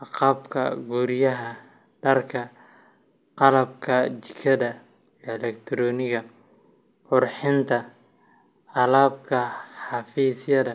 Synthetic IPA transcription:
ʔɑqɑːbkʰɐ̰ɡuːɾɪjɐɦɐ | ɖɐrkʰɐ | qɑlɐbkʰɐt͡ʃɪ̥kʰːɐðɐ | jɛlɛkt̪ʰɾɔːnɪɣɐ | qʊrħɪnt̪ʰɐ | ɑlaːb̚kʰɐħɑfiːsjɐðɐ

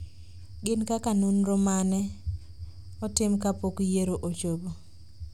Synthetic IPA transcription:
ɡɪnkakanunɾɔmanɛ | ɔtɪmkapokjeɾoʔot͡ʃobo

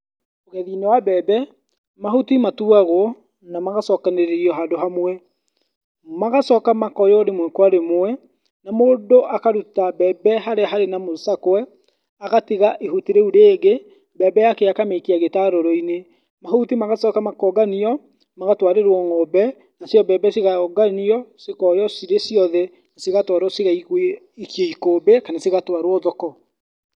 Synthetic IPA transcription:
oɣɛðinewabɛbɛ | mahutimatuaɣo | namaɣasɔkaneɾeɾiɔɦadoɦamwɛ | maɣasɔkamakɔjɔɾemwɛkwaɾemwɛ | namoːdoʔakaɾutabɛbɛɦaɾeaɦaɾenamosakwɛ | aɣatiɣaʔeɦutiɾeuɾeːɡe | bɛbɛjakeakamekiaɣetaɾoɾɔine | maɦotimaɣasɔkamakɔɡaniɔ | maɣatwaɾeɾwɔŋɔbɛ | nasjɔbɛbɛsiɣaɔɡaniɔsekɔjɔsiɾesjɔðɛ | nasiɣatwaɾwɔseɣaie | ikjeikoːbekanasiɣatwaɾwɔðɔkɔ

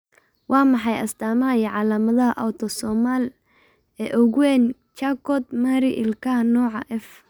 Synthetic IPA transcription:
wɑːmɑħɑjɐ̰st̪ʰaːmɐɐjɛʕɑːlaːmɐðɐɦɐʔɐwt̪ʰɔsɔːmaːl | ɛːʔɔɣwɛːn | t͡ʃakɔd̪maɾɪʔɪlkʰanɔːʕɑʔɛf

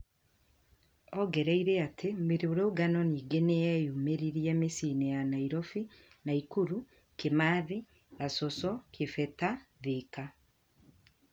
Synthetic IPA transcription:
ɔɡɛɾɛiɾeatʰemeɾeoɾooɡanɔniːɡeneɛjumeɾiɾjɛmesinejanaiɾɔfi | naikuɾu | kemaði | asɔsɔkʰefɛtaðika

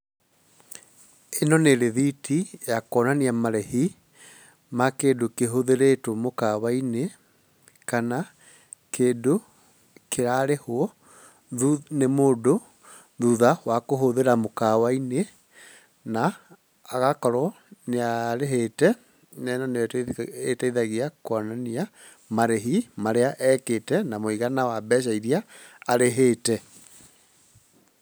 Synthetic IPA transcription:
enɔneɾeðitʰijakɔnaniamaɾɛhi | makedokeɦoðeɾetomokawaine | kana | keːdo | keɾaɾehoɔ | ðunemoːdo | ðuðawakoɦoðeɾamokawaine | naː | ɣakɔɾɔ | neaɾeɦeːtɛ | nɛnaneetaiðaɣiakwanania | maɾeɦimaɾeaʔɛːkeːtɛnamoiɣanawabɛːʃ̬aiɾiaːɾeɦeːtɛ

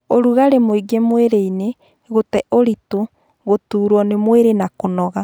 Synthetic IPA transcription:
oɾuɣaɾemoiɡemweɾeine | ɣotɛʔoɾito | ɣotuːɾwɔnemweɾenakonɔɣa

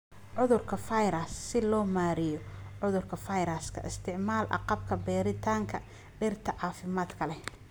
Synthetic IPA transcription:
ʕʊðʊrkʰɐfɐjɾɐsːɪlɔːmaːɾɪjɔʕʊðʊrkʰɐfɐjɾɐskʰɐ̰ʔɪst̪ʰɪʕmaːlʔɑ̰qɑb̚kʰɐbɛːɾɪt̪ʰaːŋkʰɐ | ɖɛrt̪ʰɐʕɑːfɪmaːd̪kʰɐlɛ

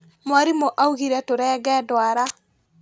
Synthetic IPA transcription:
mwaɾimoʔauɣiɾɛtoɾɛːɣɛdwaɾa

